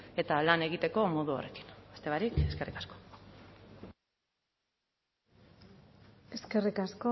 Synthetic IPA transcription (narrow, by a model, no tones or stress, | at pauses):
e̞t̪alane̞ɣ̞it̪e̞ko̞mo̞ðuo̰re̞ki̥nast̪e̞βaɾike̞ske̞rikḁsko̥ | e̞ske̞rikasko